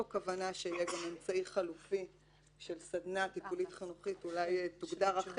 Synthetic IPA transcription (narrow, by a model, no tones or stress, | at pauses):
okavanaʃeijeɡament͡saiχalufi | ʃe̞lsad̪natipulit̪χinuχitulajtuɡdaʁaχ